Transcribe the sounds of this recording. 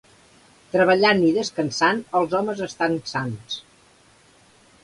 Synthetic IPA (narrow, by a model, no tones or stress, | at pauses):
t̪ɾəβəʎaniðəskənsanəlˠzɔməzəst̪ansans